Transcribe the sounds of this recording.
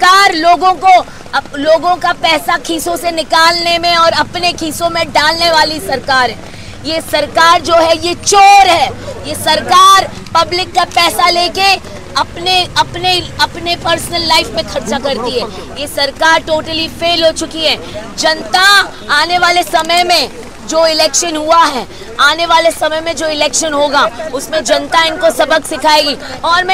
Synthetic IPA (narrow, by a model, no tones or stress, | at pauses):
kaːɾloːɡõko | loːɡõkapɛːsakʰiːsõsenɪkaːlnemẽɔːɾɐpnekʰiːsõmẽɖaːlneʋaːlisɐɾkaːɾɦɛː | jesɐɾkaːɾd͡ʒoːɦɛjet͡ʃoːɾɦɛːjesɐɾkaːɾ | pɐblɪkːapɛːsaleːke | ɐpneɐpneɐpnepɐɾsənəlːaɪfmẽkʰɐɾt͡ʃakɐɾt̪iɦɛːjesɐɾkaːɾʈoːʈəlifeːlɦot͡ʃʊkiɦɛːd͡ʒɐnt̪a | aːneʋaːlesɐməjmẽ | d͡ʒoːɪlɛːkʃənɦuaɦɛː | aːneʋaːlesɐməjmẽd͡ʒoːɪlɛːkʃənɦoːɡaʊsmẽd͡ʒɐ̃nt̪aɪnkosɐbəksɪkʰaːeːɡiɔːɾmɛ̃